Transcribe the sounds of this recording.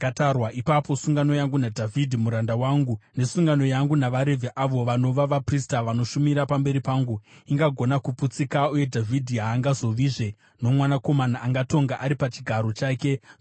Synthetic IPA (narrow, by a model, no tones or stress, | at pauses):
katarwaʔipapo̞suŋɡano̞jaŋɡunadʱavʱidʱimuɾandawaːŋɡune̞suŋɡano̞jaŋɡunaʋaɾe̞vʱeʔaʋo̞ʋano̞ʋaʋapristaʋano̞ʃumiɾapambe̞ɾipaːŋɡuiŋɡaɡʱo̞nakuput͡sikauje̞dʱavʱidʱiɦaːŋɡazo̞ʋiʐe | no̞mwanako̞manaʔaŋɡato̞ŋɡaʔaɾipat͡ʃiɡʱaɾo̞t͡ʃaːke̞